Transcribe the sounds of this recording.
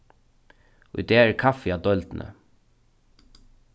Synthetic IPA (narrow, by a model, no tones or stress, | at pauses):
ʊ̰ʏd̪eːæːɾkʰɑfɪɑːd̪ɔlt̪n̩ʔə̰